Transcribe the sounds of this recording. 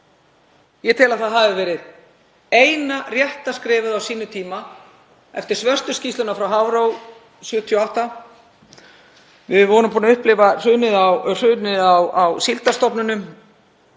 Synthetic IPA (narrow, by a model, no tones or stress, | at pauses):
jɛt̪ʰɪlaðθaðɦavɪvɛːɾɪð | eːjnarjɛht̪askɾɪːvʏðawsiːnʏt̪ʰiːma | ɛ̰ft̪ɪɾ̥svœr̥st̪ʏscist̪ʏnafɾawɦawɾow | sjʏːt̪ʰjɔawht̪a | vɪðvɔːnʏmpuːnaʏhplɪvar̥ʏːnɪðawr̥ʏːnɪðawawsilt̪ast̪ɔpnʏnʏm